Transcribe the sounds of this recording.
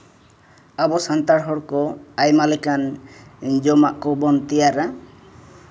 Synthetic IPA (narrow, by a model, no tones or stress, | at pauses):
abɔsant̪aɽɦɔɽkɔajmalikan | d͡ʒɔmaʔkɔbɔnt̪ijaɾa